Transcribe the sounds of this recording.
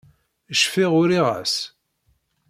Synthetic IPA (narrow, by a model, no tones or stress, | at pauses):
əʃfiʁʊɾiʁæ̰s